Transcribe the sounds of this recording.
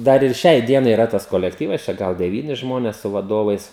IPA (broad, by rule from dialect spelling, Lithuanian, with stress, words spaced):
ˈdɐr ɪr ˈʃʲɛɪ ˈdʲiɛnɐɪ ɪˈrɐ tɐs koːlʲɛkˈtʲiːʋɐs t͡ʃʲɛ ˈɡɐlˠ dʲɛˈʋʲiːnʲɪ ˈʒmoːnʲɛs sʊ ʋɐˈdoːʋɐɪs